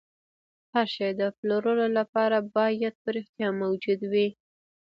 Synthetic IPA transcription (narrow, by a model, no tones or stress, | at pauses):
haɾʃɑjd̪əploɾəlolapɑɾabɑjad̪̚pəɾɪxt̪jɑmawd͡ʒud̪wi